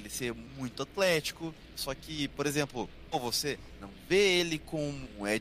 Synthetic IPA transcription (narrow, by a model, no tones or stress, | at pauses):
elɪseɾmũj̃t̪ʊat̪lɛt͡ʃi̥kʊ | sɔkɪpoɾezẽmplʊ | ovose | nɐ̰̃w̃veelɪkõmʊɛ